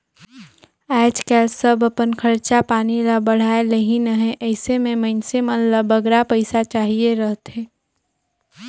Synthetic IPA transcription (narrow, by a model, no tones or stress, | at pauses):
ɛːd͡ʒkɛːlsəbəpənkʰəɾt͡ʃapaːnilabəɽ̤aːeləɦĩnəɦɛ̃ʔɛɪsemẽməɪnsemənləbəɡɾapəɪsat͡ʃaːɦieɾəɦt̪eː